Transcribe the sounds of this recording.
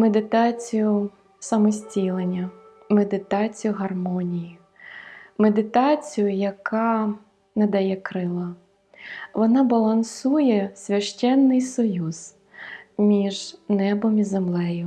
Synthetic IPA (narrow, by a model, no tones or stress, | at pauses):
med̪ɪt̪ɑt͡sʲijʊ | sɐmɔsʲtʲilˠenʲːɐ | med̪ɪt̪ɑt͡sʲijʊɦɐrmɔnʲiji | med̪ɪt̪ɑt͡sʲijʊjɐkʰɑ | nɐd̪ɐjɛkɾɪlˠɐ | ʋɔnɑbɐlˠɐnsujɛsʲʋʲɐʃt͡ʃɛnːɪjsɔjuz̥ | mʲiʒnɛbɔmʲizemlˠɛjʊ